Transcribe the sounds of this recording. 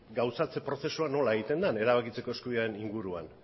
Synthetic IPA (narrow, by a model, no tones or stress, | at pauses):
ɡawsat͡se̞pɾo̞θe̞suano̞laeɣit̪e̞nd̪ane̞ɾaβakit͡se̞ko̞e̞skuiaɾeniŋɡuɾuan